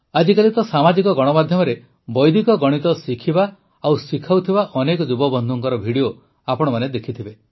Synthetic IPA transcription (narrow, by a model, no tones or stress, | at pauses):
ad͡ʒikalit̪ɔsamad͡ʒikɔɡɔɽ̃ɔmad̪ʱjɔmɔɾe | bɔjd̪ikɔɡɔɽ̃it̪ɔsikʰiba | awsikʰawt̪ʰibaʔɔnekɔd͡ʒubɔbɔnd̪ʱɔŋkɔɾɔbʱiɽio | apɔɽ̃ɔmaned̪ekʰit̪ʰibe